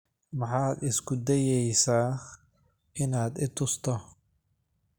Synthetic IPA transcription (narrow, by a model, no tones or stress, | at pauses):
mɑħɑːd̪ɪsɡʊd̪ɛjɛjsaː | ʔɪnaːd̪ɪt̪ʰʊst̪ʰɔ